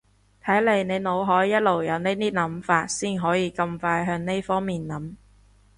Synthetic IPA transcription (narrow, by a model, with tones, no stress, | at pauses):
t̪ʰɐ˨˥jle˨˧jne˨˧jno˨˧wɦɔː˨˥jːɐ˥t̚lo˨˩wjɐ˨˧wne˥jt̪iː˥nɐ˨˥mfaː˧t̚siː˥˩nɦɔː˨˥jiː˨˧kɐ˧mfaː˧jɦœː˧ŋne˥jfɔː˥ŋmiː˨˩nnɐ˨˥m